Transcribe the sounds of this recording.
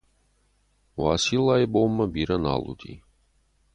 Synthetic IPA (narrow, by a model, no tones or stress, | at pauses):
wasilˠajbomːɐbiɾɐna̰lˠṵd̪ḭ